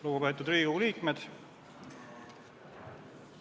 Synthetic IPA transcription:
luɡ̥upe̞ːt̪ːˑud̪riːuliːkme̞d̪̥

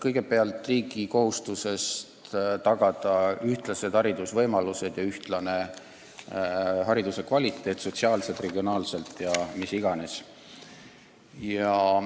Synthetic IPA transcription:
kɤjɡ̥e̞beɑlt̪ːˑriːɡiko̞hust̪use̞st̪t̪ɑɡ̥ɑd̪̥ɑyht̪lɑse̞d̪̥hɑɾid̪̥usvɤjmɑluse̞d̪̥jɑyht̪lɑne̞ | hɑɾid̪use̞kvɑlʲit̪ːˑe̞ːt̪so̞t̪ʲsiɑːlse̞lt̪re̞ɡ̥io̞nɑːlse̞lt̪ˑjɑmisiɡ̥ɑne̞s | jɑ

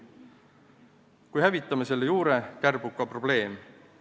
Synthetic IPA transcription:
kujhævit̪ːˑɑmese̞lːejuːɾe̞kærb̥ukːɑpro̞b̥le̞ːm

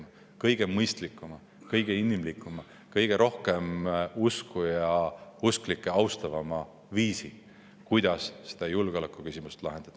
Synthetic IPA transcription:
ɑ | kɤjɡ̥e̞mɤjst̪likːˑumɑ | kɤjɡ̥e̞inːimlikːˑumɑ | kɤjɡ̥e̞ɾʔo̞hke̞muskujɑusklikˑːeɑwst̪ɑvɑmɑ | viːsi | kujd̪̥ɑsːe̥d̪̥ɑjulɡ̥eo̞lekˑːukysʲimust̪lɑ̰ɦe̞nd̪̥ɑd̪̥ɑ

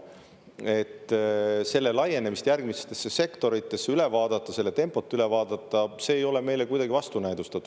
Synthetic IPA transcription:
e̞t̪ːse̞lːe̞lɑje̞nemist̪jærɡ̥mise̥t̪ːe̞sːe̞se̞kt̪o̞ɾit̪ːˑe̞sːeyle̞vɑːd̪̥ɑt̪ːˑɑse̞lːe̞t̪e̞mpˑo̞t̪ːˑyle̞vɑːd̪ɑt̪ːˑɑse̞ːjo̞leme̞jlekujd̪ɑɡ̥ivɑst̪unæjd̪ust̪ɑt̪ːˑu̥

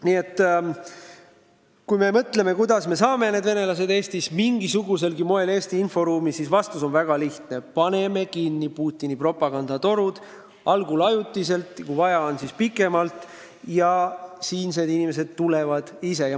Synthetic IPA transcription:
niet̪ːˑ | kujme̞mɤt̪le̞me̞kujd̪̥ɑsme̞sɑːme̞ne̞d̪ve̞ne̞lɑs̬e̞d̪e̞ːst̪ismiŋɡisuɡus̬e̞lɡimo̞e̞leːst̪iinfo̞ɾuːmisisvɑst̪uso̞nvæɡ̥ɑliht̪ne̞pɑne̞me̞kinːipuːt̪ʲːˑinipro̞pːˑɑɡ̥ɑnd̪̥ɑt̪o̞ɾud̪̥ | ɑlɡulɑjut̪ːˑise̞lt̪kuvɑjɑonsispikːˑe̞mɑlt̪ˑ | jɑsiːnse̞ːd̪inime̞s̬e̞d̪̥̚t̪ːule̞vɑd̪̥ise̞jɑ

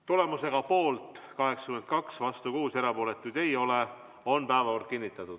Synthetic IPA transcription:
t̪ulemuse̞ɡ̥ɑpo̞ːlt̪ˑkɑɦe̞ksɑ̥kyme̞n̚kɑksvɑst̪ukuːseɾɑpoːle̞t̪ːˑud̪̥e̞jo̞le | o̞npæːvɑor̚kinʲːit̪ːˑɑt̪ːˑud̥̪

